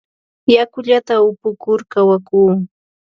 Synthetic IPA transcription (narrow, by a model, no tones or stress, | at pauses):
jakʊʎat̪aʊpʊkʊɾkawakuː